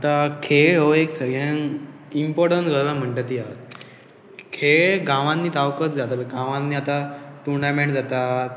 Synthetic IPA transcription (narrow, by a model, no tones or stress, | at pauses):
at̪akʰeɭoeksəɡanimpɔɾʈənsɡʱəɾlam̤əɳʈat̪iat̪ | kʰeɭɡãʋãnːiːt̪ʰaʋkət͡sd͡zat̪aəɡãʋãnːiːat̪aʈuɾnameɳʈd͡zat̪at̪